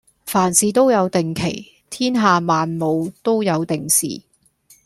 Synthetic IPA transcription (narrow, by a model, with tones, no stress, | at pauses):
faː˨˩nsiː˨˧t̪o˥wjɐ˨˧wt̪ɪ˨ŋkʰe˨˩j | t̪ʰiː˥nɦaː˨maː˨nmo˨˧wt̪o˥wjɐ˨˧wt̪ɪ˨ŋsḭː˨